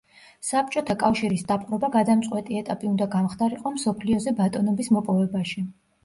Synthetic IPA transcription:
sap̚t͡ʃʼɔt̪ʰakʼafʃiɾisd̪apʼqʼɾɔbaɡad̪amt̪sʼqʼwɛt̪ʼiɛt̪ʼapʼiund̪aɡamχd̪aɾiqʼɔmsɔpʰliɔzɛbat̪ʼɔnɔbismɔpʼɔvɛbaʃi

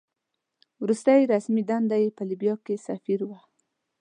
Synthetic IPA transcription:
wɾust̪ajɾasmid̪and̪ajepəlibjɑkesafiɾwa

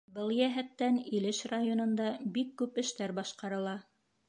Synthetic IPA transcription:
bɤlˠjæɦæt̪ːænilɘʃrajonɤ̆nd̪ɑbikːʉpɘ̆ʃt̪æɾbɑʃqɑɾɤ̆lˠɑ

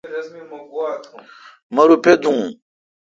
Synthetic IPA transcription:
ɾɐzmimɐɡuwat̪ | mɐɾuped̪ũ

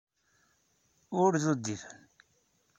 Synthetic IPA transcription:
ʊɾðod̪ːifən

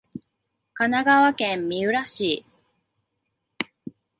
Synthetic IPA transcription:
kanaɡaβakẽ̞mːʲiɯ̟ɾaɕiː

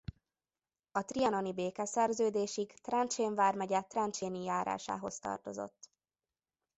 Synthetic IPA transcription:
ɒt̪riɒnonibeːkɛsɛrzøːd̪eːʃikt̪rɛnt͡ʃeːɱvaːrmɛɟɛt̪ːrɛnt͡ʃeːnijaːɾa̰ːʃa̰ːɦo̞st̪ɒ̰rt̪o̞zo̰t̪ː

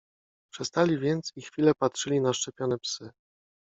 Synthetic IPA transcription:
pʂɛst̪alʲivʲjɛnt̪sixfʲilɛpatʂɘlʲinaʂt͡ʂɛpʲjɔnɛpsɘ

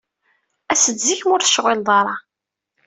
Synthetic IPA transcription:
æsəd̪ziçmʊɾθə̥ʃʁɪld̪ˤɑɾˤɑ

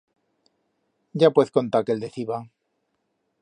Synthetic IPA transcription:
ɟ͡ʝapweθko̞nt̪akeld̪eθiβa

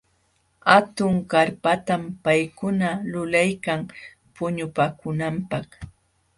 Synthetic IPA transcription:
hat̪ʊŋkaɾpat̪ampajkʊnalʊlajkaŋ | pʊɲʊpaːkʊnampɑχ

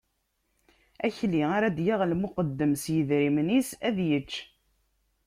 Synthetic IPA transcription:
æçliaɾæd̪jaʁlmʊqəd̪ːəmsjəðɾimnisæðjət͡ʃː

